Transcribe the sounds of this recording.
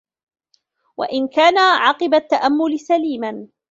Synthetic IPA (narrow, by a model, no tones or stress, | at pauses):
wa̰ʔɪnkaːnaʕɑqɨbat̪ːaʔamːʊlɪsaliːman